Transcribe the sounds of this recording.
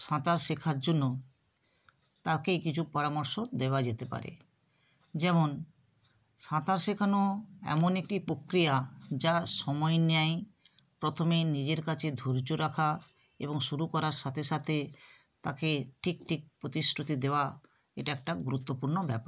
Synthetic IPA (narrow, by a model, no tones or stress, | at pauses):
ʃãt̪aɾʃekʰaɾd͡ʑonːo | t̪akejkit͡ɕʰupɔɾamoɾʃod̪eoad͡ʑet̪epa̰ɾḛ | d͡ʑɛmon | ʃãt̪aɾʃekʰanoɛ̰monek̚ʈipɾokɾijad͡ʑaʃɔmɔenaj | pɾot̪ʰomenid͡ʑeɾkat͡ɕʰed̪ʱoɾd͡ʑoɾakʰa | ḛboŋʃuɾukɔɾaɾʃat̪ʰeʃat̪ʰe | t̪akeʈʰikʈʰik̚pɾot̪isɾut̪id̪eoa | eʈaɛk̚ʈaɡuɾut̪ːopuɾnobɛpaɾ